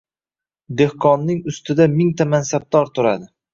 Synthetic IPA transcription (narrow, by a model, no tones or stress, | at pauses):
d̪e̞hqʰɒnːɪŋʊst̪ɪd̪amɪŋt̪amansab̚d̪ɒɾt̪ʰʊɾa̰d̪ɪ